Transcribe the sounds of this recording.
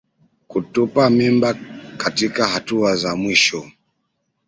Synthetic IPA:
kutupamimbakatikaɦatuazamwiʃɔ

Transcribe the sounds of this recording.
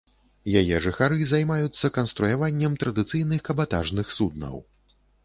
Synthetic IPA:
jajɛʐɨxaɾɨzajmajut̪sːɐkɐnst̪ɾujavanʲːɛmt̪ɾɐd̪ɨt̪sɨjnɨxkɐbat̪a̰ʐnɨxsud̪̚nɐ̰w

